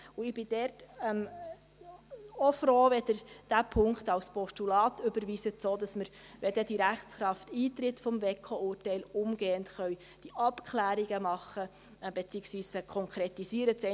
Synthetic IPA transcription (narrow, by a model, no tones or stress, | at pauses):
ʊɪb̥ɪd̥ɛrtm | ofɾoːʋɛdəd̥æpʰʊŋkχtɑwspɔʃtulɑːtʏbəɾʋiːsət͡soːdɑsməɾ | ʋɛd̥əd̥iɾæχt͡sχɾɑftiːt̪ɾɪtfɔmvekʰoʊːrtɛɪlʊmɡeːəntχœw | d̥iʔɑpkʰχlæːɾiɡəmɑχːə | b̥et͡siːəksʋiːskʰɔŋkʰɾetisiːəɾət͡sɛ